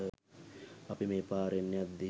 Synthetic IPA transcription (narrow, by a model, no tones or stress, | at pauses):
apimeːpaːɾenːejat̪̚d̪i